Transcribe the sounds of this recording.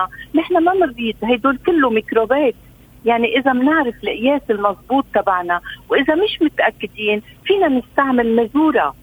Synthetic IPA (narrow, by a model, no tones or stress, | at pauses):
anɪħnamanɪɾˤːiːd̪hajd̪oːlkɪlːumikɾobeːt̪ | jaʕniʔɪzamnɪʕɾɪfɪlʔɪjeːsɪlmɑzˤbuːt̪ːabaʕnawʔɪzamɪʃmʊt̪ʔakːɪd̪iːnfiːnanɪst̪aʕmɪlmazuːɾa